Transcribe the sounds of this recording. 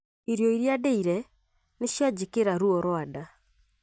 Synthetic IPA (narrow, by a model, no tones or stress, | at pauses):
iɾjɔiɾjadeiɾɛ | neʃjad͡ʒekeɾaɾuɔɾɔada